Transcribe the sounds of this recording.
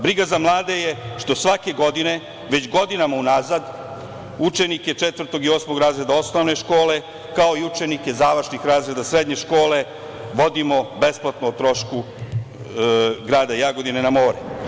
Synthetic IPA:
bɾiɡazamlˠaːd̪e̞jeʃt̪o̞sʋake̞ɡo̞d̪ine̞ | ʋet͡ɕɡo̞d̪inamaunazad̪ | ut͡ʂeniket͡ʂet̪ʋvr̩t̪o̞ɡioːsmo̞ɡɾaːzɾe̞d̪ao̞sno̞ʋne̞ʃko̞ːle̞ | kao̞iut͡ʂe̞nike̞zaːʋɾr̩ʃnixɾaːzɾe̞d̪asɾed̪ɲe̞ʃko̞ːle̞ | ʋo̞d̪imo̞be̞splˠat̪noːt̪ɾo̞ʃku | ɡɾaːd̪ajaɡo̞d̪inenamo̞ːɾɛ

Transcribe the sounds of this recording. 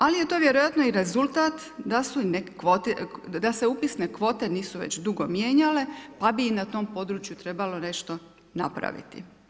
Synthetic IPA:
alije̞t̪o̞ʋje̞ɾojat̪noiɾe̞zult̪aːt̪ | d̪asunekkʋot̪ed̪ase̞upisnekʋo̞ːt̪eniːsuʋḛt͡ɕd̪uɡo̞mjeːɲale̞pabiːnat̪o̞ːmpo̞d̪ɾut͡ʃjut̪ɾe̞balo̞ne̞ʃt̪o̞ | na̰pɾa̰ʋḭt̪ḭ

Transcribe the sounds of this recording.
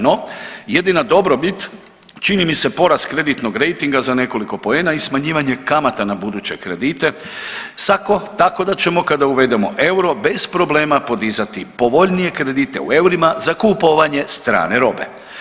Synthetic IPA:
no̞je̞d̪inad̪o̞bɾo̞bit̪ | t͡ʃinimise̞po̞ɾast̪kɾed̪it̪no̞ɡɾe̞jt̪iŋɡazane̞ko̞liko̞po̞eːnaismaɲiːʋaɲe̞kamat̪anabud̪ut͡ɕe̞kɾe̞d̪iːt̪e̞ | sako̞t̪ako̞d̪at͡ɕe̞mo̞kad̪auʋe̞d̪e̞mo̞ʔe̞wɾo̞be̞spɾo̞ble̞ːmapo̞d̪izat̪ipo̞ʋo̞ʎnije̞kɾe̞d̪it̪e̞̰ṵe̞wɾimazakupoʋaɲe̞st̪ɾa̰ːneɾo̞̰be̞̰

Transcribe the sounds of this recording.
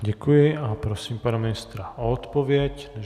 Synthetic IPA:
ɟɛkujɪapɾɔsiːmpanaminist̪ɾaɔɔt̪pɔʋɪɛcnɛ

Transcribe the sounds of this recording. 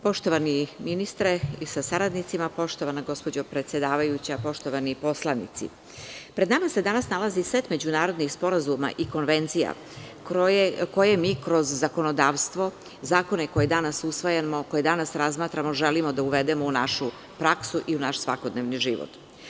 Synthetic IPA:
po̞ʃt̪oʋaniminist̪ɾeisasaɾad̪nit̪simapo̞ʃt̪oʋanaɡo̞spo̞d͡ʑopɾe̞t̪sjed̪aːʋajut͡ɕapo̞ʃt̪o̞ʋanipo̞slˠanḭt̪sḭ | pɾed̪namase̞d̪anasnalˠazisʋet̪me̞d͡ʑunaːɾo̞d̪nixspo̞ɾazuma̰ʔiko̞nʋe̞nt̪sija̰ | oekojemiːkɾo̞zːako̞nod̪aːʋst̪ʋo̞ | zaːko̞nekojed̪anasusʋojemokojed̪anasɾazmaːt̪ɾamo̞ʒelimo̞d̪auʋed̪emo̞unaʃu | pɾaksuʔiunaʃsʋako̞d̪neʋniʒiʋo̰t̪

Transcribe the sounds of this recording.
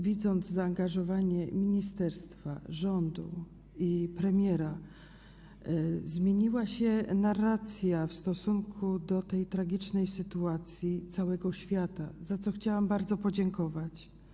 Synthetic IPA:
vʲid̪zɔnd̪zzaːŋɡaʐɔvaɲɛmʲiɲist̪ɛɾst̪fa̰ʐɔnd̪ṵ | ipɾɛmʲjɛɾa | zmʲjeɲiwaɕɛnaɾat̪sʲjafst̪ɔsuŋkʰud̪ɔt̪ɛjt̪ɾaɡʲit͡ʂnɛjsɘt̪uat̪sʲjit̪sawɛɡɔɕfʲjat̪a̰zat̪sɔxt͡ɕawambaɾd̪zɔpɔd͡ʑɛŋkɔvat͡ɕ

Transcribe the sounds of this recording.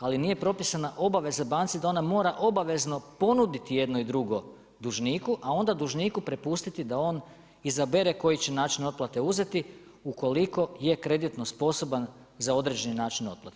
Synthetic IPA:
alinije̞pɾo̞pisanaʔo̞baʋe̞zabaːnt̪sid̪ao̞namo̞ːɾaʔo̞baʋe̞zno̞po̞nud̪it̪ije̞d̪noid̪ɾuɡo̞ | d̪uʒniːkuʔao̞nd̪ad̪uʒniːkupɾe̞pust̪it̪id̪ao̞ːn | izabe̞ɾe̞ko̞jit͡ɕe̞naːt͡ʃino̞t̪̚plˠat̪e̞uze̞t̪iuko̞liko̞je̞kɾe̞d̪it̪no̞spo̞so̞ban | zao̞d̪ɾe̞d͡ʒe̞ninaːt͡ʃino̞t̪̚plˠat̪e

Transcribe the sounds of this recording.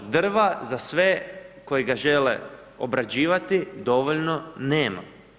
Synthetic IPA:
d̪r̩ʋazasʋe̞ko̞jiɡaʒelḛ | o̰bɾad͡ʑiːʋat̪id̪o̞ʋoʎnone̞ːma̰

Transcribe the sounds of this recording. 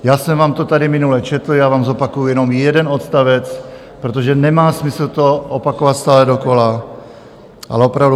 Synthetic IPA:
jaːsɛmvaːmt̪o̞t̪adɪmɪnulɛt͡ʃɛt̪l̩jaːvaːmzo̞pakujujɛno̞mjɛdɛno̞t̪st̪avɛt͡s | pɾot̪̬oʒɛnɛmaːsmɪsl̩t̪o̞ʔopakovat̪st̪aːlɛdo̞ko̞la | ʔa̰lɛopɾavdu

